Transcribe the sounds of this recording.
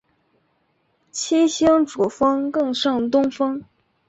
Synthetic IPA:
t͡ɕʰi˥ɕi˥ŋʈ͡ʂu˨˩fɤ˥ŋkɤ˥˧ŋʂɤ˥˩ŋt̪ʊ˥ŋfɤ˥ŋ

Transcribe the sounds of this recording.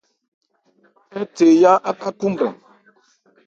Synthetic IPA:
ɛ˦t͡se˨ja˦ʔa˦ka˦ku˦m˨bɛ̰˨ŋ

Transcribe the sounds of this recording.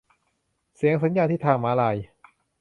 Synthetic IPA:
si˨˩˦əŋsa˨˦njaː˧nt̪ʰiː˥˩t̪ʰaː˧ŋmaː˧˦laː˧˩j

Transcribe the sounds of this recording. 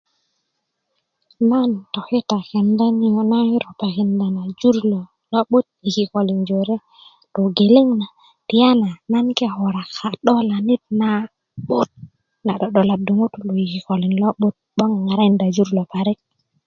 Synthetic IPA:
na˦nto˨xe˦t̪a˨ke˨nda˦n˦jo˨na˦i˦ɾo˨pa˨ki˨nda˨na˨d͡ʒu˦ɾlo˨ | lo˦ɓo˦t̪̚i˨ki˨ko˨li˨nd͡ʒo˨ɾe˦ | to˨ɡe˨le˦ŋna˨ | ti˨ja˦na˨na˦nke˦ho˨ɾa˨ka˨ɗo˦la˨ni˦t̪̚na˦ | ɓo˦t̪̚ | na˨ɗo˨ɗo˨la˨du˨ŋu˦t̪u˦lo˨i˨ki˨ko˨li˨nlo˦ɓu˦t̪̚ɓo˦ŋ˨ŋa˨ɾa˦i˨nda˨d͡ʒu˦ɾlo˨pa˨ɾi˦k̚

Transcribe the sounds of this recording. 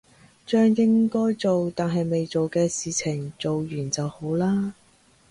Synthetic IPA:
t͡ʃœː˥ŋjɪ˥ŋkɔː˥jt͡so˨wt̪aː˨nɦɐ˨jme˨jt͡so˨wkɛː˧siː˨t͡sʰɪ˨˩ŋt͡so˨wjyː˨˩nt͡sɐ˨who˨˥wlaː˥

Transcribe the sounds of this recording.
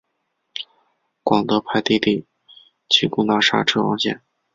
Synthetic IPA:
kwɑ˨˩ŋt̪ɤ˧˥pʰa˧˥ɪt̪i˥˧t̪i˥˩ | t͡ɕʰi˥˩ku˥˧t̪a˥˩ʂa̰˥˩ʈ͡ʂʰɤ˥˩wɑ˥ŋɕjɛ̰˥˩n

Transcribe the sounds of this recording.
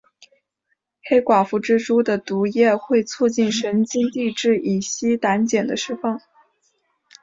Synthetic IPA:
xe˥ɪkwa˨˩fu˧˥ʈ͡ʂɻ̩˥ʈ͡ʂu˥d̪ə˨t̪u˧˥jɛ˥˧xwe˥˧ɪt͡sʰu˥˧t͡ɕi˥˩nʂə˧˥nt͡ɕi˥nt̪i˥˧ʈ͡ʂɻ̩˥˩i˨˩ɕi˥t̪a˧˥nt͡ɕjɛ˨˩nd̪ə˦ʂɻ̩˥fɑ˥˩ŋ

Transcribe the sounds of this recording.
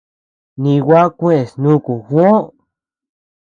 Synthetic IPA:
nĩ˧wʷa˦kʷẽ˦e˨snũ˦ku˨xʷõ˦

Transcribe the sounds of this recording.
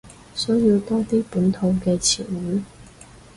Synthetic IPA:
sɔ˨˥jiː˧wt̪ɔː˥t̪iː˥puː˨˥nt̪ʰo˨˧˥wkɛː˧t͡sʰḭː˨˩nwuː˨˥

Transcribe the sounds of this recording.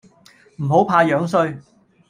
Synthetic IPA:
m̩˨˩ho˨˥wpʰaː˧jœː˨˥ŋsɵ˧ɥ

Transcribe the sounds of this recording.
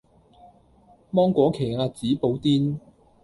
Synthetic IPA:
mɔː˥ŋkʷɔː˨˥kʰe˨˩ŋaː˧t͡siː˨˥po˨˧wt̪iː˥n

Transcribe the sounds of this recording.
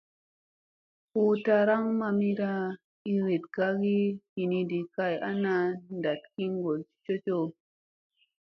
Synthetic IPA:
o˦ta˧ɾa˦ŋma˧mi˦ɾa˧ | i˦ɾi˨tɡa˦ɡi˦hi˨ni˧di˨ka˧ja˦na˧nda˨tki˦ŋɡo˨li̥˦t͡ʃo˦t͡ʃo˦

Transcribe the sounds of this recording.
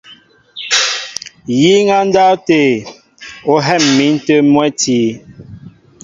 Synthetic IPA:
ji˦ŋa˦n̩˦da˦te˨ | o˨ɦɛ˦˨mːi˨˦n̩˦tə˦mwɛ˦tiː˦

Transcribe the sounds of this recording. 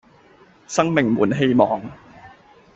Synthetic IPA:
sɐ˥ŋme˨˩ŋmuː˨˩˦nɦe˧jmɔ̰ː˨˩ŋ

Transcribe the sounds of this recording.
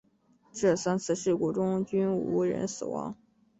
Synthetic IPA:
ʈ͡ʂɤ˥˩sa˥nt͡sʰɹ̩˥˩ʂɻ̩˥˩kwɔ˥ʈ͡ʂʊ˥ŋt͡ɕy˥nu˧˥ɻə̰˧˥nsɹ̩˨˩wɑ̰˧˥ŋ

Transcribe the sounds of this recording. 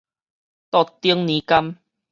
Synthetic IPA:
t̪ɔ˨˩t̪ːi˦əŋnĩ˨˦ka˦m

